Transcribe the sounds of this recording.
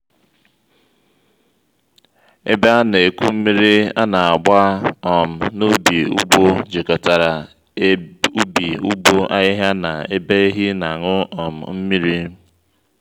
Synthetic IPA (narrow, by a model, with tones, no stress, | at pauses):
ḛ˦be˦a˦ne˨ku˦m̩˦mi˦ɾi˦a˦na˨a˨ɡ͡ba˦ɔ˨m̩˨no˦bi˨ṵ˦bo˦d͡ʒe˨kɔ˨ta˨ɾa˨ | u˦bi˨u˦bo˦ʔa̰˦ɲɪ˦ɦa˦na˨e˦be˦ɦi˦na˨ŋʊ˦ɔ˨m̩˨m̩˦mi˦ɾi˦